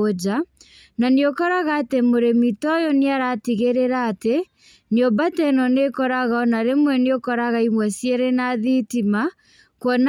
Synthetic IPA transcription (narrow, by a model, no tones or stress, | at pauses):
od͡ʒa | naniokɔɾaɣaːtemoɾemitɔjɔniaɾatiɣeɾeɾaːte | niɔbatɛnɔnekɔɾaɣaɔnaɾemwɛniokɔɾaɣaimwɛsjɛɾenaðitima | kwɔn